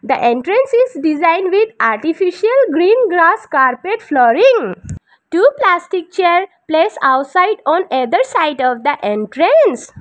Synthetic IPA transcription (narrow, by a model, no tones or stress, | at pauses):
d̪əʔẽɳʈɾə̃nsizɖizãɪ̃nɖʋid̪aɾʈifiʃiəlɡɾĩːnɡɾaskaɾpeʈflɔːɾĩŋ | ʈuːplasʈik̚t͡ʃeɾplesaʊʈsaɪɖɔ̃ned̪əɾsaɪɖɔʋd̪əʔẽɳʈɾẽns